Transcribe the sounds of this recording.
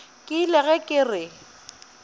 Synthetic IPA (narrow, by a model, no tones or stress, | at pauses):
kʼɪlɛɣɛkʼɪrɪ